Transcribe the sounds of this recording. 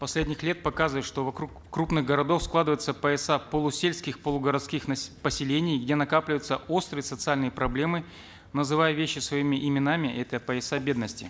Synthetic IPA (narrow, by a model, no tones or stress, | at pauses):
pɐsʲlʲedʲnʲɪxlʲe̞t̪̚pɐkazɨvəɪt̪ʂt̪o̞vɐkɾukːɾupnɨɣɡəɾɐd̪o̞fsklˠad̪ɨvəjɪt̪səpəɛsapəlˠʊsʲelʲskʲɪxpəlˠʊɡəɾɐt̪skʲixnpəsʲɪlʲenʲɪjɡdʲe̞nɐkaplʲɪvəjʊt̪səo̞st̪ɾɨjəsət̪sɨalʲnɨjəpɾɐblʲe̞mɨ | nəzɨvajəvʲeɕːɪsvɐimʲɪʔɪmʲɪnamʲɪʔɛt̪əpəɛsabʲe̞d̪nəsʲtʲɪ̰